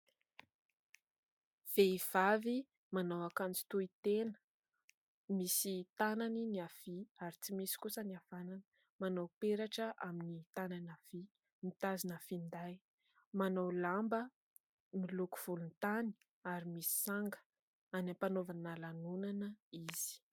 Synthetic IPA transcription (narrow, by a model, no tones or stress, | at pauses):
v̥eiv̥avi | manawakant͡si̥t̪uit̪enə̥ | misit̪ananiniafiaɾit͡simisi̥kusəniafananə̥ | manawpeɾaʈ͡ʂəʔaminit̪ananafi | mit̪azinafind̪aj | manawlambə | miluku̥v̥ulunt̪ani̥ | aɾimisi̥saŋɡə̥ | anapanovanalanunanəiz̥i̥